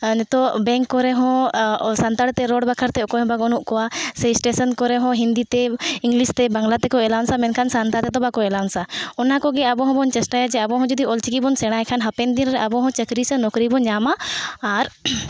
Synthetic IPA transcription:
nt̪ɔbɛ̃ŋkːɔɾɛɦɔ̃sant̪aɽt̪ɛɾɔɽbakʰəɾt̪ɛɔkɔɦɔ̃baɡɔnuʔkɔwasɛisʈesənkɔɾɛɦɔ̃ɦind̪it̪ɛiŋɡlist̪ɛbaŋɡlat̪ɛkɔɛlansamɛnkʰansant̪at̪ɛt̪ɔbakɔɛlansaɔnakɔɡɛabɔ̃ɦɔ̃bɔnt͡ʃɛsʈajad͡ʒɛabɔ̃ɦɔ̃d͡ʒɔd̪iɔlt͡ʃikibɔnsɛɽ̃aɛkʰanɦɐpɛnd̪inɾɛʔabɔɦɔ̃t͡ʃəkɾisɛnɔkɾibɔnɲamaːɾ

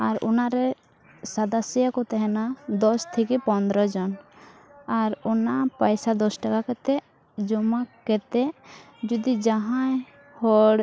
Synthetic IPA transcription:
aɾṵnaɾɛ | sad̪asijakɔt̪ɛɦɛnad̪ɔst̪ʰikipɔnd̪ɾɔd͡ʒɔn | aɾɔnapajsad̪ɔsʈakakɛt̪ɛ | d͡ʒɔmakɛt̪ɛ | d͡ʒud̪id͡ʒaɦãj | hɔɽ

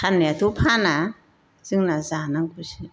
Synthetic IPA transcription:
kʰanːɛt̪ʰupʰana | z̥ɯŋnazanaŋkusi

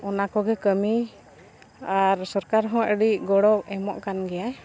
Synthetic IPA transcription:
ɔnakɔɡɛkəmi | aɾsɔɾkaɾɦɔ̃ʔəɽiʔɡɔɽɔk̚ɛmɔʔkanɡɛja

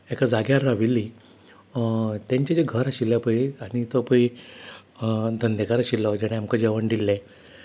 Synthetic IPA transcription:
ekad͡zaɡjaɾɾaʋilːi | t̪jãɲt͡ɕad͡ʑeɡʱəɾaɕilːapəiaɽit̪ɔpəi | d̪ʱənd̪ekaɾaɕilːɔd͡ʑɛɽ̃eamkəd͡ʑeʋəɳd̪ilːɛ̃

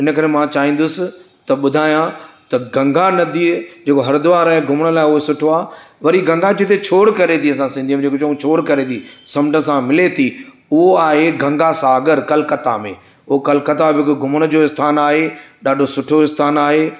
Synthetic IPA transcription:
ɪnə̆kɐɾemãt͡ɕaːɦĩːn̆d̪ʊsɪ̆ | t̪ɐɓʊd̪ʱaːjãt̪ɐɡɐ̃ŋɡʱanɐd̪iːd͡ʑeːkoɦɐɾd̪ʊʋaːɾaːɦeɡʱʊməɽ̃əlaːɪʊɦesʊʈʰoaːʋɐɾiɡʱɐ̃ŋɡat͡ɕet̪ʰet͡ɕʰoːɽkɐɾet̪ʰiɐs̬ãsĩnd̪imẽd͡ʑeːkot͡ɕɐũt͡ɕʰoːɽkɐɾet̪ʰiːsɐmʈəsãmɪlet̪ʰi | ʊɦoaːɦeɡʱɐ̃ŋɡasaːɡəɾkɐlkɐt̪a̰mḛ̃ | ʊɦokɐlkɐt̪abʱɪɪkɡʱʊmɽ̃ə̆d͡ʑoːɪst̪ʰaːnaːɦeɗaːɖʱosʊʈʰoɪst̪ʰaːnaːɦeː

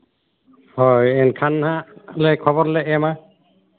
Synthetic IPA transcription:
hɔjɛnkʰanhalɛkʰɔβɔɾlɛʔɛma

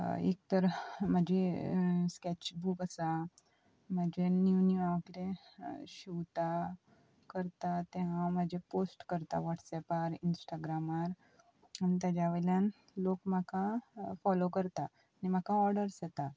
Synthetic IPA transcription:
ḛk̚t̪əɾm̤ad͡ʑʱeskɛt͡ɕbukəsa | mad͡ʑenjunuakɾẽɕiʋt̪a | kəɾt̪at̪eɦãmad͡ʑʱeposʈkəɾt̪a̰ʋɔʈsɛpaɾinsʈaɡɾamaɾ | añit̪jad͡ʑjaʋelãn | lokm̤akafɔlokəɾt̪aː | ñim̤akaɔɾɖəɾsjet̪a

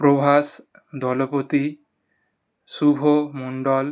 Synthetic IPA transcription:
pɾobʱas | d̪ɔlɔpot̪i | subʱomuɳɖɔl

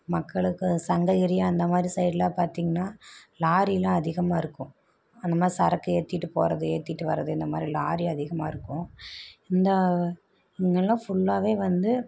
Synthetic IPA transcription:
mɐkːɐɭɯkːɯsɐŋɡɐɪɾɪjaːɐnd̪ɐmaːd̪ɾisɐɪʈlaːpaːɾt̪iːŋɡɐnːaːlaːɾilãːɐðɪɣɐmaːɪɾɯkːʊ̃ | ɐnd̪ɐmaːd̪ɾisɐɾɐkːɯeːt̪ːɪʈːɯpo̰ːɾɐðɯḛːt̪ːɪʈːɯʋɐ̰ɾɐðɯɪnd̪ɐmaːd̪ɾilaːɾiɐðɪɣɐmaːɪɾɯkːʊ̃ɪnd̪ɐ | ɪŋɡɐlːãːfʊɭːaːʋeːʋɐnd̪ɯ

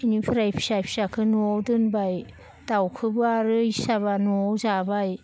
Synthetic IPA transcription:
inipʰɯɾajpʰi̥sajpʰi̥sakʰɯnuowdɯnbaj | tawkʰɯbɯaɾɯjsabanuowzabaj

